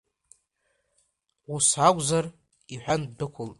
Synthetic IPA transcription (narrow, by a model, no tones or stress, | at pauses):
wusakʷʼzar | iħʷᶣandɨkʷʰʊltʼ